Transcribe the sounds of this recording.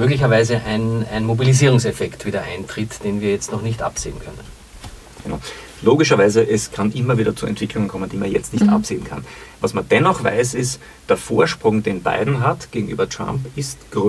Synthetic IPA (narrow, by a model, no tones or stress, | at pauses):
møːɡlɪçɐvaɪzəʔæɪnæɪnmobiliziːʁʊŋsɛfɛktv̥iːdɐʔaɪntʁ̥ɪtd̥eːnviːɐjɛt͡stnɔχnɪçtʔa̰pz̥ḛːənkʰœnə̰n | ɡ̥əna̰ʊ | loːɡɪʃɐvaɪzəʔɛskʰanʔɪmɐviːdɐt͡suʔɛ̰ntv̥ɪkʰlʊŋənkʰɔmənd̥iːmanjɛt͡stnɪçtʔa̰pz̥eːnkʰa̰nvasmand̥ɛnɔχva̰ɪsɪst | d̥eːɐfoːɐʃpʁ̥ʊŋd̥eːnba̰ɪdn̩ɦatɡ̥eːɡŋ̩ʔy̰ːbɐtʁ̥a̰mpɪstɡ̥ʁ